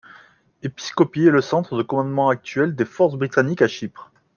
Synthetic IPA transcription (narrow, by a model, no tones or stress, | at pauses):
epi̥skɔpiɛləsɑ̃t̪χəd̪əkɔmɑ̃d̪mɑ̃ak̚t̪ɥɛld̪efɔʁsbʁit̪anikaʃipχ